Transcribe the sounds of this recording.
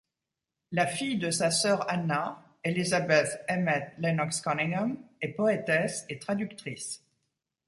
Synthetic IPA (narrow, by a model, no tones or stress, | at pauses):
lafijd̪əsasœʁana | elizabɛt̪ɛmɛt̪lɛnɔkskɔniŋɔmɛpɔet̪ɛset̪χad̪ykt̪χis